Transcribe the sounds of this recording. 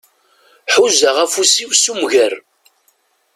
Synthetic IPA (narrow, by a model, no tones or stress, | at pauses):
ħuzəʁæfusiwsumʝəɾ